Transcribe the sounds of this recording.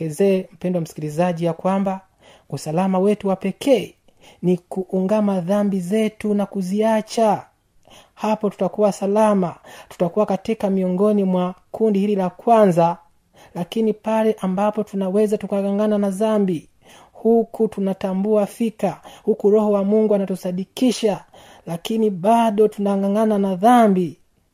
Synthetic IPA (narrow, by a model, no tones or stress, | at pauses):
ɛzɛːm̩pɛndwamsi̥kilizaʄijakwamba | usalamawɛtuwapɛkʰɛ | nikuʔːŋɡamaðambizɛtunakuziat͡ʃa | hapɔtu̥takuwasalamatu̥takuwakatikamiɔŋɡɔnimwakundihililakwanza | lakinipalɛʔambapɔtunawɛzatukaɡaŋɡananaðambi | hukʰutunatambuafikahukuɾɔhɔwamuŋɡuanatuθaɗikiʃa | lakiniɓaɗɔtunaŋɡaŋananaðambi